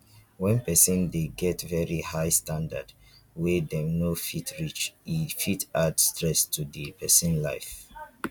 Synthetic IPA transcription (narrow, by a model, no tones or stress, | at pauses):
wɛ̃npɛsə̃ndeɡɛtvɛɹihaɪstʰãnda̰d | wɛdɛ̃mnofitʰɹit͡ʃifitadstʰɹɛstʰudipʰɛsə̃nla̰ɪf